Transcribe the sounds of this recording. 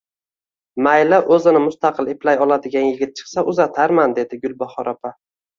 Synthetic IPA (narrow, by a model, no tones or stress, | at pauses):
majlaʔɵzɪnɪmʊst̪ɑqʰɨleplajɒlˠad̪ɪɡʲanjɪɡʲɪt̪̚t͡ʃʰɨ̥qsaʔʊzat̪ʰaɾmand̪e̞d̪ɪɡʊlˠbɒχɒɾʔapʰa